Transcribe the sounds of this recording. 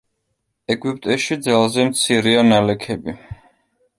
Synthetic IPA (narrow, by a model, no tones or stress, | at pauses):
ɛɡwip̚ʼt̪ʼɛʃid̪zalˠzɛmt̪sʰiɾianalɛkʰɛbi